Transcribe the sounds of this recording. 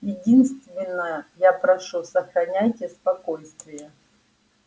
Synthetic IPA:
jɪdʲinst̪vʲɪnːəjapɾɐʂusəxɾɐnʲajtʲɪspɐkojst̪vʲɪjə

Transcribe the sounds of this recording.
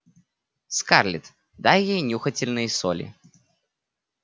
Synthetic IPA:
skarlʲɪt̪ | d̪ajːejnʲuxətʲɪlʲnɨjso̰lʲɪ̰

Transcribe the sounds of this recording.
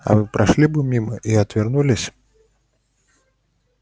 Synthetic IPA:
ɐ̰vɨpɾaʂlʲibɨmʲimɐʔiɐt̪vʲɛrnulʲisʲ

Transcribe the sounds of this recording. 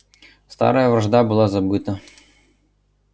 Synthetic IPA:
st̪ɑ̰ɾɐjɐʋɾɐʒd̪ɑbʊlˠɑzɐbɪt̪ɐ

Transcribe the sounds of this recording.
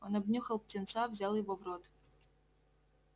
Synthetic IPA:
onɐbnʲuxəlˠp̚tʲɪnt̪savzʲalˠjɪvovrot̪

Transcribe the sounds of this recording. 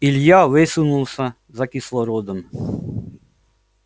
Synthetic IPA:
ilʲjaʋɪsʊnulˠsʲɐ | zɐkislˠɔɾɔd̪ɔm

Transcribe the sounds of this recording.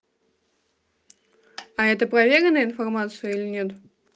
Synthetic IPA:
ɐɛt̪əpɾɐvʲeɾʲɪnəɪnfɐrmat̪sɨjəilʲɪnʲe̞t̪

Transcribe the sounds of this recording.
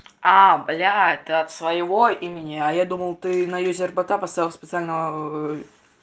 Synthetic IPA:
ablʲat̪ɨɐt̪svɐjɪvoimʲɪnʲɪɐjad̪uməlˠt̪ɨnɐjuzʲɪrbɐt̪apɐst̪aɛlˠsʲpʲɪt̪sɨalʲnəvə

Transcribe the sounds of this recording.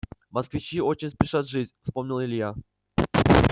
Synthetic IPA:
mɐskvʲɪt͡ɕio̞t͡ɕɪnʲspʲɪʂat̪ʐɨtʲfspo̞mnʲɪlˠɪlʲja

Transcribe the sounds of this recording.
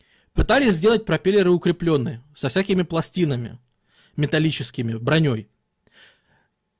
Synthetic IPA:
pɨt̪alʲɪsʲzʲdʲe̞lˠət̚ʲpɾɐpʲelʲɪɾɨʊkɾʲɪplʲo̞nːɨjsɐfsʲækʲɪmʲɪplˠɐsʲtʲinəmʲɪ̰ | mʲɪt̪ɐlʲit͡ɕɪskʲɪmʲɪbɾɐnʲo̞j

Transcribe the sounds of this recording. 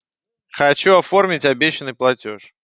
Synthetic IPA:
xɐt͡ɕuɐfo̞rmʲɪtʲɐbʲeɕːɪnːɨjplˠɐtʲo̰ʂ

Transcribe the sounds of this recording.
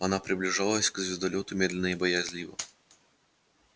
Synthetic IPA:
ɐnapɾʲɪblʲɪʐalˠəsʲkzvʲɪzd̪ɐlʲot̪ʊmʲed̪lʲɪnəɪbəjazʲlʲivə̰

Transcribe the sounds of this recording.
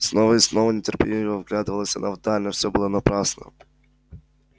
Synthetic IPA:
snovəisnovənʲɪtʲɪrpʲɪlʲinʲɪvəvɡlʲad̪ɨvəlˠəsʲɐ̰navd̪alʲnəfsʲɔbɨlˠənɐpɾasnə̰

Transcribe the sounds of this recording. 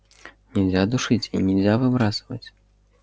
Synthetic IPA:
nʲɛwʲzʲad̪uʂɨt͡sʲinʲɛwʲzʲavɨbɾasɨvɐt͡sʲ

